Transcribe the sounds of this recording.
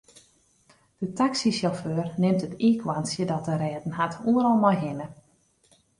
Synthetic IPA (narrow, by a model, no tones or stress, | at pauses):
d̥ətaksisjɔføːrnɪmtətiːkʰʋansjədɔt̚əɾɛːdn̩ɦatʰuəɾɔlˠmɔjɦɪnə